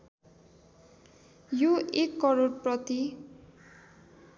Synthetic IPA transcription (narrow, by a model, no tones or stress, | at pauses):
joʔekːʌɾorprʌt̪i